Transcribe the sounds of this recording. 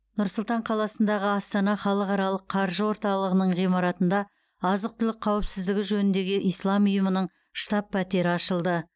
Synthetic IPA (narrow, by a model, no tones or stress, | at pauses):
nʊɾsʊlˠt̪ɑɴqʰɑlˠɑsənd̪ɑʁəɑst̪ɑnɑχɑlˠəqɑɾɑlˠəqʰɑɾʒəwo̞ɾt̪ɑlˠəʁənəɴʁijmɑɾɑt̪ənd̪ɑ | ɑzəq̚t̪ʰʏlɪk̚qʰɑwɪpsɪzd̪ɪɡʲɪʒɵnɪnd̪e̞ɡʲɪʔijslˠɑmʊjəmənəɴ | ʃt̪ɑpʰːæt̪e̞ɾɪɑʃəlˠd̪ə